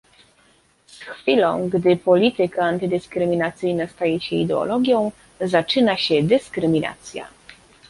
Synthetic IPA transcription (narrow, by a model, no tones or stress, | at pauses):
sxfʲilɔ̰̃w̃ɡd̪ɘpɔlʲit̪ɘkaːnt̪ɘd̪ɘskɾɘmʲinat̪sɘjnast̪ajɛɕɛḭd̪ɛɔ̰lɔɡʲjɔ̃w̃ | zat͡ʂɘnaɕɛd̪ɘskɾɘmʲina̰t̪sʲja̰